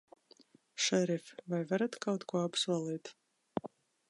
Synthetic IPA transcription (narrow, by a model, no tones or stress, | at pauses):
ʃɛɾifvajvaɾat̪kawt̪kuɔapsuɔlˠiːt̪